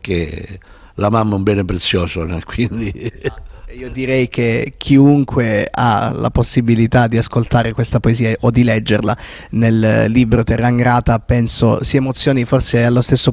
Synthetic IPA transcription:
ke | lamamːumbɛːnepɾet̪sːjɔːsonɛkwind̪i | eiːod̪iɾɛjk̟ʰek̟ʰiuŋkwea̰la̰posːibilit̪ad̪ːiaskolt̪aːɾekwest̪apoeziːaʔod̪ːilɛd͡ʒːerla | nelːiːbɾot̪erːaŋɡɾaːt̪apɛnso̰siemot̪sːjoːniforsealːost̪esːo

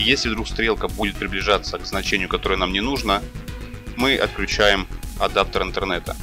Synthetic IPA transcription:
jesʲlʲɪvd̪ɾukst̪ɾʲe̞lˠkəbudʲɪt̪̚pɾʲɪblʲɪʐat̪sːəkznɐt͡ɕenʲɪjʊkɐt̪o̞ɾɨjənamnʲɪnuʐnə | mɨʔɐ̰t̪̚klʲʉt͡ɕæjɪmɐd̪ap̚t̪əɾɨnt̪ərnɛt̪ə̰

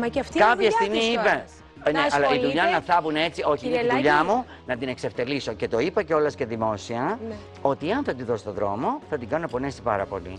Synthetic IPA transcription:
mɐft̪kɐpçɐst̪iɣmiipe | neɐlɐiðuʎɐnɐθɐvune̞t͡sio̞çiðuʎɐmu | nɐt̪ine̞kse̞ft̪e̞liso̞ce̞t̪o̞ipɐceo̞lɐsce̞ðimo̞siɐ | o̞t̪ieɐnθɐt̪iðo̞st̪oðɾo̞̰mo̞θɐt̪iŋɡɐnunɐpo̞ne̞sipɐɾɐpo̞̰lḭ

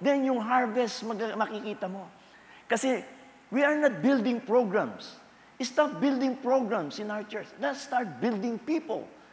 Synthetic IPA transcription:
d̪ɛnjʊŋɦaɹvɛst̪mɐɡmɐkɪkiːt̪ɐmo̞ | kɐsɛ | wiɐɹnat̪̚bɪld̪ɪ̃ŋpɹoɡɹãms | ʔɪst̪ap̚bɪld̪ɪ̃ŋpɹoɡɹãmsɪ̃nawɹt͡ʃɛɹt͡ʃlɛt̪st̪aɹt̪̚bɪld̪ɪ̃ŋpiːpo̰l

